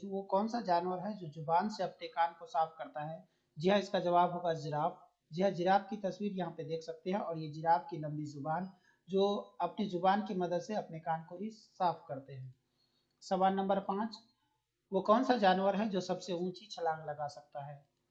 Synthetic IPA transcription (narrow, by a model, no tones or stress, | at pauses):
ʋokɔːnsad͡ʒaːnwəɾɦɛd͡ʒoːzʊbaːnseɐpnekaːnkosaːpʰkɐɾt̪aɦɛ | d͡ʒɪɦãɪskad͡ʒɐʋaːbɦoːɡad͡ʒɪɾaːb | d͡ʒɪɦãd͡ʒɪɾaːb̚kit̪ɐswiːɾjɐɦãped̪eːkʰsɐk̚t̪eɦɛ̃ɔːɾjed͡ʒɪɾaːb̚kilɐ̃mbizʊbaːn | d͡ʒoːɐpnizʊbaːnkemɐd̪əd̪seɐpnekaːnkoɦisaːpʰkɐɾt̪eɦɛ̃ː | sɐʋaːɾnɐ̃mbəɾpãːt͡ʃ | ʋokɔːnsad͡ʒaːnwəɾɦɛd͡ʒoːsɐbseũːt͡ʃit͡ʃʰɐlãːɡlɐɡasɐk̚t̪aɦɛː